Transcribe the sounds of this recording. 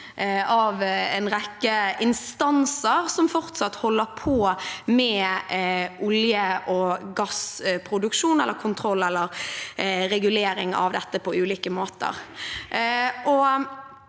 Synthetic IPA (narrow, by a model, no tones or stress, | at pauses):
ɑʋɛnʁɛkːəɪnst̪ɑnsəɾsɔmfɔʁt̪sɑt̪ːhɔlːəɾpʰoːmɛ | ʔʊljəʔɔɡɑspʰɾʊd̪ʉkʃuːnɛlːəkʰʊnt̪ʰɾɔlːɛlːəɾ | ɾɛɡʉleːɾɪŋɑ̰ʋd̪ɛt̪ːəpʰɔʉːliːkəmoːt̪ə̰ʁ | ʔɔ